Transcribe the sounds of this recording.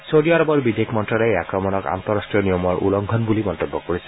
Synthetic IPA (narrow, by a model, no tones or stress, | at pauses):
soɖiaɾɔbɔɾbid̪ekʰmɔnʈɾɔlɔeakɾɔmɔnɔka̰nt̪ɔɾasʈɾijɔnijɔmɔɾʔṵlɔŋkʰɔnbulimɔnt̪ebːɔkɔɾisʰe̥